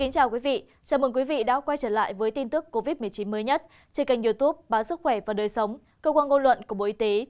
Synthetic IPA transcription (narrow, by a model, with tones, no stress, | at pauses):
ki˨˦ŋ̟t͡ɕaː˨˩wkwi˨˦vḭ˧˨ | t͡ɕaː˨˩mɨ˨˩ŋkwi˨˦vḭ˧˨ɗa̰ː˧˥kwa˧jt͡ɕəː˧˩la̰ː˧˨jvəː˨˦jt̪i˧nt̪ɨ˦˥kːo˧vi˦˥t̚mɨ˨˩əjt͡ɕi˨˦nməː˨˦jɲə˦˥t̚ | t͡ɕe˧˩ka˨˩ŋ̟zu˧t̪u˦˥p̚ɓaː˨˦nsɨ˦˥k̚xwɛ˧˩vaː˨˩ɗəː˨˩jsə˨˦wŋ͡m | kəː˧kwaː˧nŋo˧nlwə̰˧˨nku˧˩əɓo̰˧˨ʔi˧t̪e˨˦